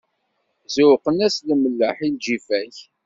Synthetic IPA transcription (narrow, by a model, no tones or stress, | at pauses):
zʊwqənæsliməlːəħild͡ʒifæç